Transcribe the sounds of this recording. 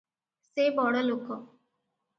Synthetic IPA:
sebɔɽɔlokɔ

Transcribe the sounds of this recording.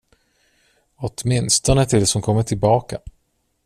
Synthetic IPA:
ɔt̪mɪnst̪ɔnət̪ʰɪlsɔmkʰɔmːəʈʰɪlbɑːka

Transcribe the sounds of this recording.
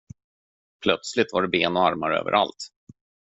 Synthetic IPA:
pʰlœt̪slɪt̪vaɖɛbeːnɔaɾmaɾø̰ːvə̰ɾʔa̰lt̪

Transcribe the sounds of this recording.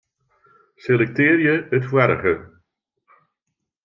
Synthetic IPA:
selɛk̚tɪːɾjəətfwɛɾəɣə

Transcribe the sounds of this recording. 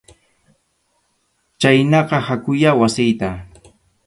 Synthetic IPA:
t͡ʃajnɑqɑhakʊjawasɪjt̪a

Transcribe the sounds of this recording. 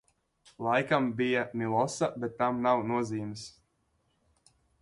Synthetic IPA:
lˠajkambijamʲilˠɔsabʲet̪ːamnawnuɔziːmɨs

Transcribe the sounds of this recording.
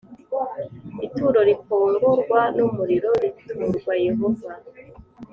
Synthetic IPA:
ituːɾo̞ɾikoːŋɡuɾɡwanumuɾiɾo̞ɾitʰuːɾɡwajivuɡa

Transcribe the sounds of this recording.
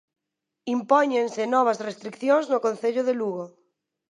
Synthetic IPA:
impɔɲẽnsɪnɔβ̞asrest̪ɾikθjoŋznʊkõnθeʎʊðeluɣo

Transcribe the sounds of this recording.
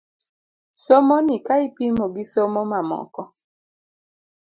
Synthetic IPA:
somonikaɪpimoɡisomomamɔ̰kɔ

